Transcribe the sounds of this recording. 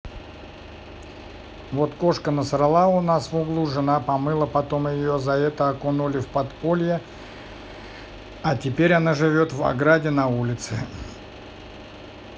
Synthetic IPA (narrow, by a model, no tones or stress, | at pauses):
vot̪ko̞ʂkənəsɾɨlˠaʊnasvʊɡlˠuʐɨnapɐmɨlˠəpɐt̪o̞mjɪjo̞zɐɛt̪əɐkonulʲɪfpɐt̪po̞lʲjɪ | atʲɪpʲeɾʲɐnaʐɨvʲo̞t̪vɐ̰ɡɾadʲɪnɐulʲɪt̪sɨ